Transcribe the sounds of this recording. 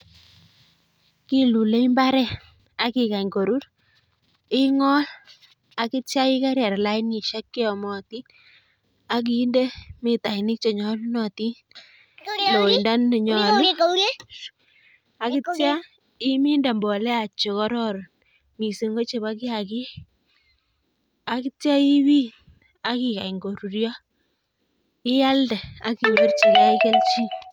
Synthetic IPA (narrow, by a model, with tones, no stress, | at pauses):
kɪ˦lu˨le˦ɪ˦mba˦ɾɛ˦ | a˨kɪ˨ka˨ɲko˨ɾu˦ɾ | ɪ˦ŋɔ˦l | a˨kɪ˦tja˦ɪ˦ka˦ɾja˨ɾla˦ɪ˦nɪ˨ʃa˦kːɪ˦ɔ˨mɔ˨tɪ˦ | a˦k̬i˨˦nde˦mɪ˦ta˨nɪ˦k̚t͡ʃɔ˨ɲɔ˦lnɔ˨ti˦ | lo˨ɪnda˦n˨ɲɔ˨l | a˨kɪ˦tja˦ | ɪ˦mi˦nda˨mbɔ˨lɛ˦a˨t͡ʃo˨kɔ˦ɾɔ˦ɾ | mi˨si˨ŋɡo˦t͡ʃe˨ba˦k̬ɪ˦a˨kɪ˦ | a˨kɪ˦tja˦i˦wi˦n | a˦kɪ˨ka̰˨i˨ŋɡo˨ɾu˨ɾjɔ˦ | ɪ˦ja˦ldɛ˨a̰˦ki˨bɪ˦rt͡ʃi˨ka˦i˦ke˦lt͡ʃi˦